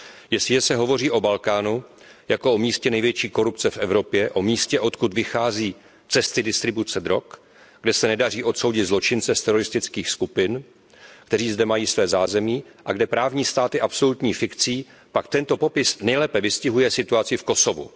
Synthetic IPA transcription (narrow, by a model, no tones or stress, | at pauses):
jɛsɪʒɛsɛɦo̞vo̞riːʔo̞balkaːnu | jakoʔomiːscɛnɛjvjɛt͡ʃiːko̞ɾupt͡sɛfʔɛvɾo̞pjɛʔo̞miːscɛʔo̞t̪kut̪vɪxaːziː | t͡sɛst̪ɪdɪst̪ɾɪbut͡sɛd̪ɾo̞k | ɡdɛsɛnɛdar̝iːʔo̞t̪so̞wɟɪt̪zlo̞t͡ʃɪnt͡sɛst̪ɛɾo̞ɾɪst̪ɪt͡skiːxskupɪn | kt̪ɛɾ̝iːzdɛmajiːsvɛːzaːzɛmiːʔaɡdɛpɾaːvɲiːst̪aːt̪ɪʔapso̞lut̪ɲiːfɪkt͡siː | pakt̪ɛnt̪o̞po̞pɪsnɛjlɛːpɛvɪscɪɦujɛsɪt̪uat͡sɪfko̞so̞vṵ